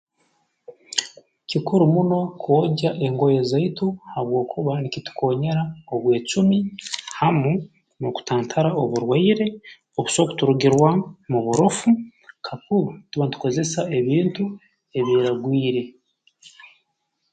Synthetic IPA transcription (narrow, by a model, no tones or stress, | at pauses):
cikuɾumuno̞kʰoɟaʔe̞ŋɡo̞jezaituhaβwo̞ːkʰuβanicitu̥kʰo̞ːɲe̞ɾaoβwe̞ːt͡ʃumihamu | noku̥taːntʰaɾaoβuɾwaiɾe̞ | oβuso̞ku̥tuɾuɡiɾwamuβuɾofu | kʰakuβatuβantu̥ko̞ze̞sae̞βiːntu | e̞βiːɾaɡwiːɾe̞